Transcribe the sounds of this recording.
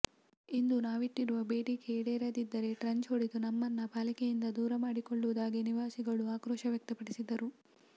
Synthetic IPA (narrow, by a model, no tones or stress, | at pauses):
ind̪unaːʋiʈːiɾuʋɐbe̞ːʈikeːɽeːɾɐd̪id̪ːɐɾe̞ʈɾɐɲt͡ʃoːɽid̪unɐmːɐnːɐbʱaːlikejind̪ɐd̪uːɾɐmaːɽikoɭːuʋud̪aːɡiniʋaːsiɡɐɭuaːkɾɔːʃɐʋjɐk̚t̪ɐpɐɽisid̪ɐɾu